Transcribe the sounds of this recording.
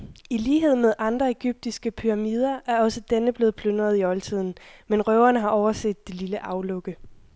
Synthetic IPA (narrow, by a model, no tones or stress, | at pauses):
iliːɦe̝ð̞̰ˠmeð̞ˠʔɑ̈nd̥ʁɐe̝ɡ̥yb̥̚d̥isɡ̥əpʰyʁɑ̈miːð̞ˠɐʔæɐɒ̽səd̥enəb̥le̝ːð̞̩ˠpʰlønʁɐð̞ˠiɒ̽lt͡sʰið̞̰ˠn̩menʁœʊɐnəɦɑ̈ʔɒʊɐsḛd̥ːililəʔɑ̈ʊlɔ̽ɡ̥ə